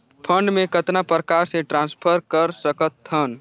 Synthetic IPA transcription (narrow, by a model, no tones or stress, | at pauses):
pʰəɳɖmẽkət̪napɾəkaɾseʈɾãnspʰəɾkəɾsəkət̪ːən